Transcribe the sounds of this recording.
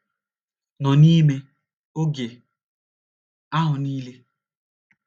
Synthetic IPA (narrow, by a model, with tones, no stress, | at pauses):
nɔ˨ni˦me˦ | o˦ɡe˨ | a˦ɦʊ˨niː˦le˦